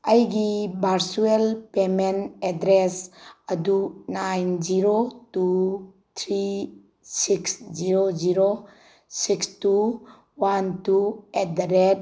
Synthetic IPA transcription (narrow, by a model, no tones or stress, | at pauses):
əjɡibʱaɾsuelpemenedɾesɐdunajnziɾotu | t̪ʰɾi | siksziɾoziɾo | sikstu | wantuet̚ɾet̚